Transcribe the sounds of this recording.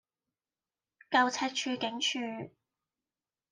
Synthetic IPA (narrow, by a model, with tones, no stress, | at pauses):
kɐ˨˧wt͡sʰɛː˧˥t̚t͡ʃʰyː˧kɪ˨˥ŋt͡ʃʰyː˧